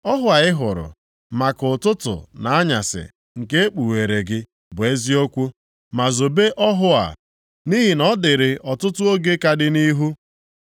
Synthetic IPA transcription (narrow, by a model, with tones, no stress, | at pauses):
ɔ˦ɦʊ˦a˨ɪ˦ɦʊ˨ɾʊ̰˨ | ma˨kʊ˨tʊ˦tʊ̰˨na˨a˦ɲa˨sɪ̰˨ | ŋ̩˨ke˦e˦k͡pu˨we˨ɾe˨ɡɪ˦ | bʊ˨e˦zi˦o˦kʷu˦ | ma˨zo˨be˦ʔɔ˦ɦʊ˦a̰˨ | ni˦ɦi˨nɔ˦dɪ˨ɾɪ˨ʔɔ˨tʊ˦tʊ˦o˦ɡe˦ka˦dɪ˦ni˦ɦu˦